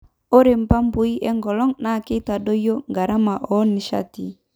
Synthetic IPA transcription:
o˦ɾe˨m˨pa˦m˦bo˨i˦ʔɛ˦ŋɡɔ˨lɔ˦ŋna˨ke˦ta˨do˦jo˦ŋɡa˨ɾa˦ma˨ʔɔ˨˦ni˨ʃa̰˦ti˨

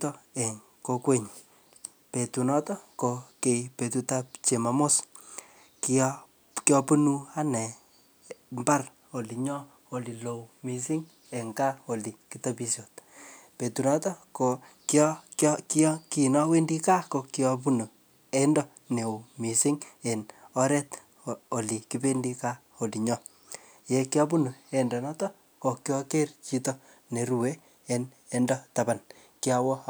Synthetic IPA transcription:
tɔ˦ɛ˨ŋ | ko˦kwe˦ɲ˨ | pe˨tu˨nɔ˦tɔ˦ko˨ke˨pe˨tu˦ta˦p̚t͡ʃe˨ma˨mo˦s | ki | kjɔ˦pu˦nu˦a˦nɛ˨ | mba˦r | o˨li˨ɲɔ˦ | o˨li˨lo˨wmi˨s̬ɪ˦ŋ | ɛ˨ŋka˦o˨li˨ki˨ta˦pi˧sjo˨t̚pe˨tu˨nɔ˦tɔ˦ko˨kkkki˨nɔ˦we˦ndi˦ka˦ko˨ki˦ɔpu˦no˨ | e˦ndɔ˦ | ne˨u˨mi˨si˦ŋe˨nɔ˦ɾɛ˦t | o˨li˨ki˦pe˦ndi˦ka˦ | o˨li˨ɲɔ˦ | je˨kjɔ˦pu˦nu˨e˨ndɔ˨nɔ˦tɔ˦ | ko˨kjɔ˦ke˦rt͡ʃi˦to˦ | ne˨ɾu˨we˦ | e˦n | e˦ndɔ˦ta˨ba˨n | ki˦a˦wɔ˦

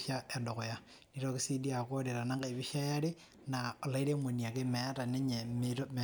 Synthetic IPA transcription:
ʃja˦e˨ndo˨ko˨ja˦ | niɾoki˦si˦di˦a˨ko˦ɾe˨ɾa˨na˦ŋɡa˦i˨βiʃa˦ja˦ɾe˦ | nao˨la˦i˦ɾe˦mo˨nia˨ke˦mɛ˨a˦ta˨ne˦ɲe˨metome

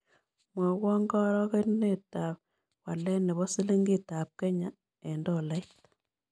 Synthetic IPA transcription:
mwɔ˨ɣwɔ˦ŋɡɔ˦ɾɔ˦ke˦ne˦˨ta˨p | wa˨lɛ˦nɛ˨βɔ˦si˦le˦ŋɡi˦˨ta˨p̚kɛ˦ɲa˨ | ɛ˨ndo˦˨la˦it

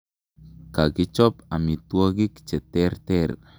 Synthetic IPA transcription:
ka˨ɡɪ˦t͡ʃɔ˦pa˨mi˨t̪wo˦ɡɪ˦kt͡ʃɛ˨t̪ɛ˦rt̪ɛr

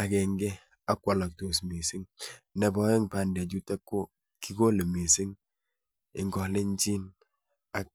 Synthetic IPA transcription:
a˨kɛ˨ŋɡɛ˦ | a˦kwa˨la˨k̚to˨smi˨sɪ˦ŋnɛ˨bɔ˨e˦ŋpa˨ndd͡ʒu˦ta˦kːo˦ | ki˦ko˦le˨mi˨sɪ˦ŋ | ɪ̰˨ŋɡɔ˨le˦ɲt͡ʃi˦n | a˨k̚

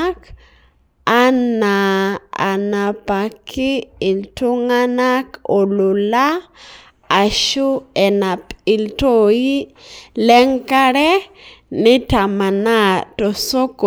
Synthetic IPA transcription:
k | a˦na˨a̰˨na˨pa˨kʰɪ˦ɪ˨ltu˦ŋa˦na˦ko˨lu˨laː˦˨ | ʃu˦ɛ˨na˨pɪ˨lto˦˨ji˦lɛ˦ŋka˦ɾɛ˦nɪ˦ta˨ma˨na˦to˨so˦ko˨

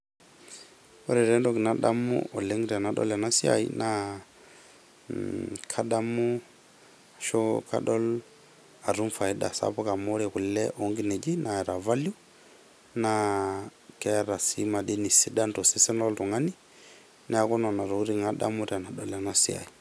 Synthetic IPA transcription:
ɔ˦ɾɛ˨ɾɛ˦ndɔ˦ki˨na˦ɗa˦mṵʔɔ˨lɛ˦ŋi˦ɾa˨na˨ɗɔ̰˦la˨na˦si˦a̰˨ḭ˦na˦ | kʰa˦ɗa˦mu˦ | ʃɔ˦kʰa̰˦ɗɔ˦l | a˨ɾu˦mfa˨i˦ɗa̰˨sa̰˦pɔ˦ka˨mɔ˦ɾɛ˨ku˨llɛʔɔ˦ŋɡi˦nɛ˨d͡ʒi˦na˨ɛ˨ɾa˨va˦lju˦ | na˦ | kɛ˦ɾa˨si˦ma˨ɗi˦ni˨si˦ɗa˦ndɔ˨si˦sɛ˦nɔ˦ltɔ˨ŋa˦ni˦ | nʔɛ˦a˦kɔ˦nɔ˨na˨ɾɔ˨u˦ɾi˨ŋa˦ɗa̰˦mu˦ɾa˨na˨ɗɔ˦la˨na˦si˦a̰˨i˨

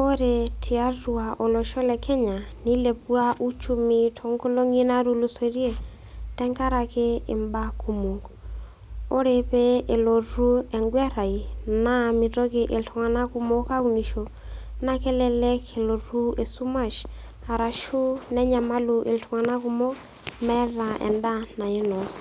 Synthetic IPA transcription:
o˦ɾe˨tʰi˨a˦ru˨a˨ʔo˨lɔ˨ʃɔ˦lɛ˨kʰɛ˦ɲa˨ni˦le˨pwa˦ʔu˦t͡ʃu˦mi˨tʰo˨ŋɡo˦lo˦ŋi˦na˦ɾu˦lu˨˦so˨ɾje˦ | tɛ˦ŋka˦ɾa˨ke˦ɪ˨mba˦kʰu˨mo˨k | o˦ɾe˨pɛ˦e˨lo˨ɾu˦ɛ˨ŋɡwɛ˦ɾa˨i˨na˦mi˨to˦ke˨ʔe˨lto˨ŋa˨na˦ku˨mo˦ka˦u˦ni˨ʃo˨ | na˦kɛ˦lɛ˦lɛ˦kʰe˨lo˨ru˦e˨su˦ma˦˨ʃ | a˨ɾa˨ʃu˦nɛ˦ɲa˨ma˦lu˨ʔe˨ltʰɔ˨ŋa˨na˦ku˧mo˦ | mɛ˦ɾa˨ʔɛ̰˨nda˦na˨e˦nɔ˨s

